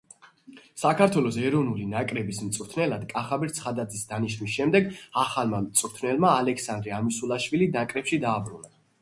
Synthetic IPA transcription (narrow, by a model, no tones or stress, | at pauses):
sakʰaɾt̪ʰwɛlˠɔsɛɾɔvnulinakʼɾɛbismt̪sʼɾt̪ʰnɛlad̪kʼaχabiɾt̪sʰχad̪ad̪zisd̪aniʃnmisʃɛmd̪ɛɡaχalmamt̪sʼɾt̪ʰnɛlˠmaːlɛksand̪ɾiamisulˠaʃwilid̪aŋkʼɾɛpʃid̪aːbɾuna